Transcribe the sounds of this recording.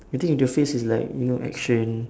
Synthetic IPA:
wit̪ĩŋĩntuəfesislaɪkjunoʔɛ̰kʃə̃n

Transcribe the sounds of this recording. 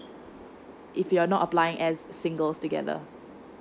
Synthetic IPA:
ʔɪfjuanɔtəplaɪɪ̃ŋʔɛzːɪ̃ŋɡəlstuɡɛ̰ðə̰

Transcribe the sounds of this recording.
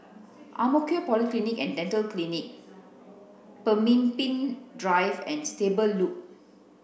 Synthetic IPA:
ʔa̰mokiopɔliklinikɛ̰̃ndɛ̃ntəlklinik̚ | pəmĩnpĩndɹajvɛ̰̃nstebəlːuk̚

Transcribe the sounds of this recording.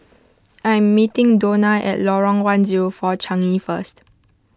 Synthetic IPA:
ʔãjɛ̃mːitĩŋdonaʔɛ̰tlɔɹɔ̃ŋwãnziɹofɔt͡ʃãŋifəst

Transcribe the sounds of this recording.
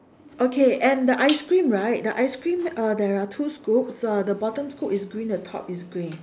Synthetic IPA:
ʔokʰeɛ̃ndəʔaɪskɹĩmɹaɪt̚dəʔaɪskɹĩmʌdɛɹatʰuskup̚sadəbɔtə̃mskupɪsɡɹĩndətʰɔ̰pisɡɹĩn

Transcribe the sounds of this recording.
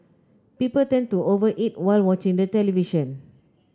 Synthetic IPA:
pipəltɛ̃ntuovəʔit̚waɪlwɔt͡ʃĩŋdətɛliviʃə̃n

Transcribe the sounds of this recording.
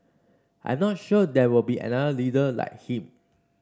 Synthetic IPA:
ʔã̰j̃mnɔt̚ʃudɛwilbiʔɛ̰̃nadəlidəla̰ɪk̚hĩm

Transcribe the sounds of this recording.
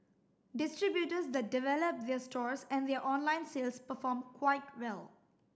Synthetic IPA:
dɪstɹibjutəsd̪ɛt̚divɛləp̚d̪ɛəstɔɹsɛ̃nd̪ɛəʔɔ̃nlãɪ̃nselspəfɔmkʰwaɪt̚wɛl

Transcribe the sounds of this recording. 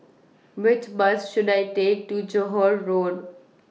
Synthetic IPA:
ʋɪt͡ʃbʌsʃʊɖaɪʈeːk̚ʈud͡ʒoɦɔːɾɾoːɖ

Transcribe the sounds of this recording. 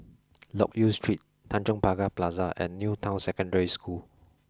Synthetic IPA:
lɔ̰k̚justʰɹit̚ | tʰːãnt͡ʃə̃ŋpaɡaplazaʔɛ̰̃nːjutʰãʊ̃nsɛkə̃ndəɹiskʰul

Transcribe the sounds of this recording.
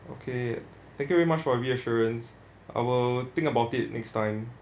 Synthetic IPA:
o̰kʰe | t̪ɛ̃ŋkjuvɛɹimat͡ʃfɔəwiəʃɔɹə̃ns | ʔa̰ɪwɪlt̪ɪ̃ŋkəbaʊtɪt̚nʔɛkstãɪ̃m

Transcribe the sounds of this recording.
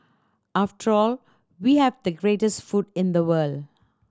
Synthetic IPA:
afʈəɹɔl | wiːhɛvd̪əɡɹeːʈəstfutɪ̃nd̪əwəld

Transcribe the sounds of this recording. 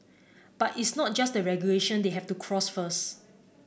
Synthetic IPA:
b̥atitsnɔt̚d͡ʒasdəɹɛɡjuleʃə̃ndeɦɛftukʰɹɔsfəs

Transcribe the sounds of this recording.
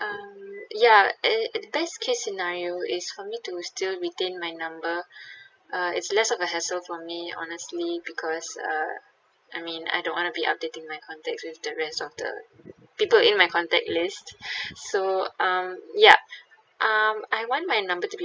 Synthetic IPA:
ʔʌmjadəbɛskʰesːinaɹioɪsfɔmitustilɹitẽnmajnãmbə | ʔʌɪ̰tslɛsɔvəɦɛsəlfɔmiɔ̰nəstlibikʰɔsʌ̰ | ʔajmĩna̰jdõnwɔ̃ntubiʔa̰p̚detɪ̃ŋmajkʰɔ̃ntɛk̚swɪfdəɹɛstɔfdə̰ | pipəlɪ̃nmajkʰɔ̃ntɛ̰k̚listsoʔʌ̃mja | ʔʌmajwɔ̃nmajnãmbətubi

